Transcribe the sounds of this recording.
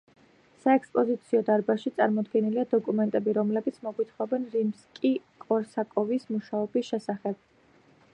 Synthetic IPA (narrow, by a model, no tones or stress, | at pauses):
saɛkspʼɔzit̪sʰiɔd̪aɾbaʃit̪sʼaɾmɔd̪ɡɛniliad̪ɔkʼumɛnt̪ʼɛbiɾɔmlɛbit̪sʰmɔɡwit̪ʰχɔbɛnɾimskʼikʼɔɾsakʼɔvismuʃaɔbisʃɛsaχɛb̥̚